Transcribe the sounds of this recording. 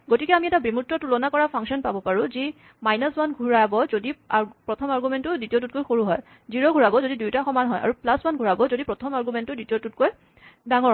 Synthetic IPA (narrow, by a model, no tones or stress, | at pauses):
ɡotikɛamiɛtabɹimutːɹɔtulɔnakɔɹapʰaŋsɔnpabɔpaɹũzi | majnɔswanɡʱuɹajbɔzodiapɹɔtʰɔmaɹɡumɛntʊditiot̬ut̚kojxoɹuɦɔj | ziɹɔɡʱuɹabɔzodidujtaxɔmanɦɔjʔa̰ɹuplaswanɡʱuɹabɔzodipɹɔtʰɔmaɹɡumɛntʊditiotut̚koj | daŋɔ